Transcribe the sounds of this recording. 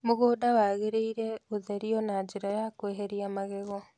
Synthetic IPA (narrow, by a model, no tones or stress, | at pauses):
moɣoːdawaɣeɾeiɾeoðeɾiɔnad͡ʒeɾajakweɦeɾiamaɣeɣɔ